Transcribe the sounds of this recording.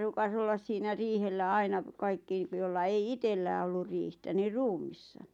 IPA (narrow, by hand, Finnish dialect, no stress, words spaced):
ruːkɑs olːɑs siːnæ riːhelːæ ɑinɑ kɑikːi jolːɑ ei itelːæː olːur riːhtæ niː ruːmˑisːɑ